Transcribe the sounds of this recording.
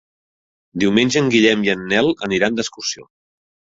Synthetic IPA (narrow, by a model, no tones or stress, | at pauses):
d̪iwmenʲʒəːŋɡiʎɛmjənːɛlˠəniɾand̪əskursio̰